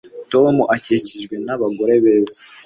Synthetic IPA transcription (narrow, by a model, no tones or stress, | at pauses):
tomuʔaceciʒɡwe̞naβaɡo̞ɾe̞βeːzḁ